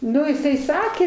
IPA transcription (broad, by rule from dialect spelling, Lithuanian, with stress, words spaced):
ˈnʊ jɪˈsɐɪ ˈsɑːkʲeː